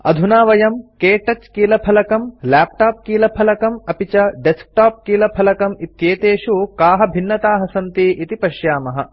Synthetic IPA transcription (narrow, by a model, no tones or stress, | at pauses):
ɐ̰d̪ʱunaːʋɐjɐmkeːʈɐt͡ʃkiːlɐpʰɐlɐkɐmlaːp̚ʈaːp̚kiːlɐpʰɐlɐkɐmɐpit͡ʃɐɖesk̚ʈaːp̚kiːlɐpʰɐlɐkɐmit̪jeːt̪eːʃukaːɦɐbʱinːɐt̪aːɦɐsɐnt̪iːʔit̪ipɐʃjaːmɐɦɐ